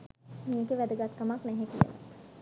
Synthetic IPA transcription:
mijəkeʋæd̪əɡat̪kəmaknɛɦekijə̰mə̰

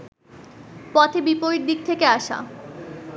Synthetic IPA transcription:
pɔt̪ʰebipoiɾd̪ik̚t̪ʰekeaʃa̰

